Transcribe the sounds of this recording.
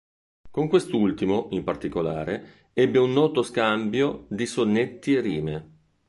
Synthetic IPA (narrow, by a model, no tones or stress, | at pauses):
koŋkwest̪oult̪imoimpart̪ikolaːɾe | ɛbːeunːɔːt̪oskambjod̪isonːet̪ːieriːme